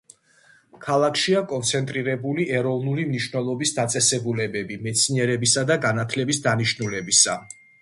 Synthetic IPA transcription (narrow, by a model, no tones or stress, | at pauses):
kʰalˠakʰʃiakʼɔnt̪sʰɛnt̪ʼɾiɾɛbuliʔɛɾɔvnulimniʃwvnɛlˠɔbisd̪at̪sʼɛsɛbulɛbɛbimɛt̪sʰniɛɾɛbisad̪aɡanat̪ʰlɛbisd̪aniʃnulɛbisa